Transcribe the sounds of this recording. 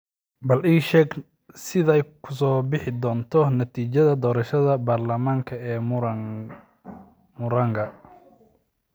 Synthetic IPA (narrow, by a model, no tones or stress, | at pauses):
bɐliːʃɛːɡ | sɪðɛjkʰʊsɔːbɪħɪd̪ɔːnt̪ʰɔnɐt̪ʰiːt͡ʃɐðɐd̪ɔːɾɐʃɐðɐbaːrlɐmaːŋkʰɐɛː | mʊɾɐŋɡʰɐ